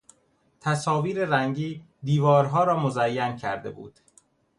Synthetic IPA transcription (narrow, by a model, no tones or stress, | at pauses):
t̪ʰæsɒːviːɾeɾæŋɟiː | d̪iːvɒːɾɦɒːɾɒːmozæjːæncʰæɾd̪e̞̰bṵːd̪̥